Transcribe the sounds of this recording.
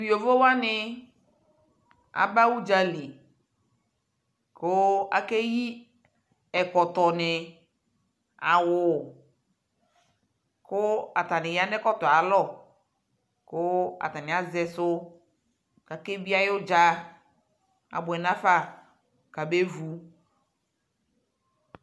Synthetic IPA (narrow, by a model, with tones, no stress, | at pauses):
o˨vo˦wa˦nɪ˦ | a̰˨ba˦wu˦d͡ʒa˦li˨ | kʊ˦a̰˨ke˦ji˦ | ɛ˨kɔ˨tɔ˨nɪ˨ | a˨wʊ˨ | kʊ˦a˨t̪a˨nɪ˨ja˦nɛ˦kɔ˦t̪ɔ˨a˨lɔ˦˨ | kʊ˦a̰˨t̪a˨nɪ˨a˨zɛ˨sʊ˦ | ka˨ke˦bi˦a˦jo˦d͡ʒa˦ | a̰˨bʊ˨ɛ˨nã˦fa˦ | ka˨be˦vu˨